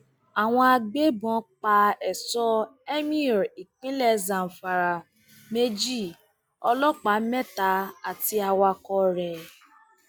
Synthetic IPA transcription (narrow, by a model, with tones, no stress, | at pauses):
a˨w̃ɔ̃˧a˧ɡ͡be˦bɔ̃˨˦k͡pa˧ɛ˨sɔ˧˦ɛ˦mĩ˦ɔ˨ɾi˨k͡pĩ˦lɛ˦˨zã˨n̩˨fa˨ɾa˨ | me˦d͡ʒi˦˨ | ɔ˧lɔ˦k͡pa˨˦mɛ˦ta˨˦a˨ti˧a˧wa˧kɔ˧ɾɛ˨